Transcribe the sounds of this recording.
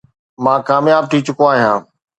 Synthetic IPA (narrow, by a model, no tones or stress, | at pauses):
mãːkaːmjaːb̚ʈ̪ʰiːt͡ɕʊkoaːɦijãː